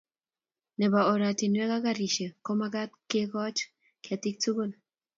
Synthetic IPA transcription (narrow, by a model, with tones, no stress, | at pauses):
nɛ˨ba˨o˨ɾa˨ti˨nwɛ˦ka˦ɡa˨ɾi˨ʃe˨ko˦ma˦ɡa˦t̚ke˦kɔ˦t͡ʃ | kɪ˨a˨ti˦k̚tu˦ɡo˦n